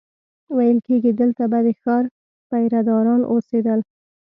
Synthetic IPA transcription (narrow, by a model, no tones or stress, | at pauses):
wajəlkeɡid̪əlt̪abad̪exɑɾ | pajɾad̪ɑɾɑnʔosed̪əl